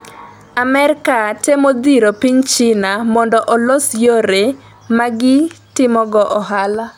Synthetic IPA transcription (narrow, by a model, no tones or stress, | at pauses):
amɛɾɪkatemod̪iɾopiɲt͡ʃɪnamɔndɔʔɔlosjoɾe | maɡɪtɪmɔɡɔʔɔɦala